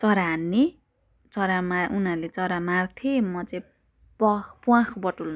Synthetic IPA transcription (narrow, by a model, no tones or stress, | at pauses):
t͡sʌɾaɦːnːe | t͡sʌɾamaunalet͡sʌɾamart̪ʰimʌt͡sã | pʌpuãkʰbʌʈul